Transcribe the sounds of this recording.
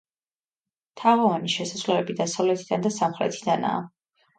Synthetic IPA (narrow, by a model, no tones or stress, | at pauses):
t̪ʰaʁɔvaniʃɛsasvlɛɛbid̪asavlɛt̪ʰid̪and̪asamχɾɛ̰t̪ʰid̪ana̰ː